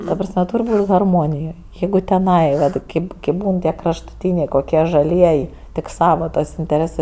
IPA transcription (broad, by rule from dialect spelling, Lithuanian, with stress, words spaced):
tɐ prɐsʲˈmʲɛ ˈtuːrʲ ˈbuːtʲ ɣɐrˈmoːnʲɪjoːj ˈjɛɪɡʊ tʲɛˈnɐɪ ˈʋɐt ˈkʲeːp ˈkʲeːp ˈbuːn ˈtʲiɛ krɐʃtʊˈtʲiːnʲeː koːˈkʲiɛ ʒɐˈlʲiɛj tʲɪk ˈsɑːʋɐ tɐs ɪnʲtʲɛˈrʲeːsɜ